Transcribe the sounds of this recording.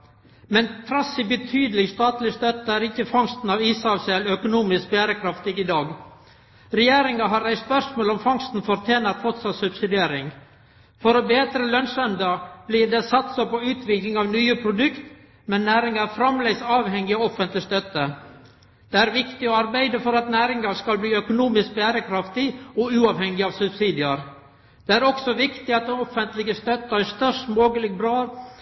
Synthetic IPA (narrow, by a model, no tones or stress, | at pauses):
mɛnp̪ʰɾɑsɪbət̪ʰyːd̪əlɪɡst̪ɑːt̪lɪst̪œt̪əæɾɪkːəfɑŋst̪n̩ɑːʋiːsɑʋsɛlœkʊnuːmɪsk̚bæːɾəkʰɾɑft̪ɪɡɪd̪ɑːɡ | ɾɛjeːɾɪŋɑɦɑɾæɪspœʂmoːlɔmfɑŋst̪n̩fɔɾt̪ʰjeːnɑɾt̪fɔt̪sɑt̪sʉbsɪd̪ɪeːɾɪŋ | fɔɾɔbeːt̪ɾəlœnsɛnd̪ɑb̥liːd̪ɛsɑt̪sɑpɔʉːt̪ʰʋɪklɪŋɑʋnyːəpʰɾʊd̪ʉkt̪ | mɛnːæːɾɪŋɑɾfɾɑmlɛɡsɑːʋhɛŋːɪɔɔfənt̪lɪst̪œt̪ːə | d̪̥ɛæɾʋɪkt̪ɪɔɑɾbæɪd̪əfɔɾɑt̪næːɾɪŋɑɾskɑlbliːœkʊnuːmɪsk̚bæːɾəkʰɾɑft̪ɪɔʉːɑːʋhɛŋːɪɑːʋsʉbsiːd̪ɪəɾ | d̪̥ɛæɾɔksɔʋɪkt̪ɪɑt̪̚d̪ɛnɔfənt̪lɪɡəst̪œt̪ːəæst̪œʂmoːɡəlɪɡbɾɑː